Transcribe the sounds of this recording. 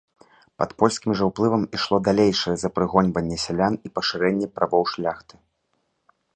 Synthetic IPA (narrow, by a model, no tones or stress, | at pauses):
pɐt̪pɔlʲsʲkʲimʐɐwplˠɨvɐmiʂlˠɔd̪alʲejʂɐjɛzɐpɾɨɣɔnʲvɐnʲːɛsʲɛlʲanipɐʂɨɾɛnʲːɛpɾʔavɔwʂlʲaxt̪ɨ̥